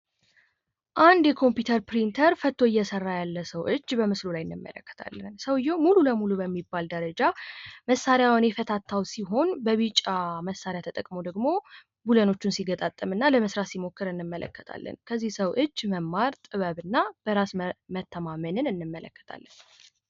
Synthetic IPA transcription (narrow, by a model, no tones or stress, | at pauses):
ʔand̪jɛkʰo̞mpjut̪ʰəɾpɾint̪ʰəɾfət̪ʰːo̞ɨjːɛsərːajalːəsəwʔɨd͡ʒːbəmɨslulajɨnːɨmːə̰lə̰kːə̥t̪ʰa̰lːənsəwɨjːɛwmululəmulubəmːibald̪əɾəd͡ʒaməsːaɾjawnjɛfət̪ʰat̪ʰːawsiɦo̞nbəβit͡ʃʼːaməsːaɾjat̪ʰət̪ʼəkʼmod̪əɡmo̞ | buləno̞t͡ʃːunsiɡət̪ʼat̪ʼːɨmɨnːaləməsɾasimo̞kːɨɾɨnːɨmːələ̰kːə̥t̪ʰa̰lːə̰nkʰəzːihsəwʔɨd͡ʒːməmːaɾt̪ʼɨβəβɨnːab̥əɾasmət̪ʰːəmamənɨnɨnːɨmːələkːə̥t̪ʰa̰lːən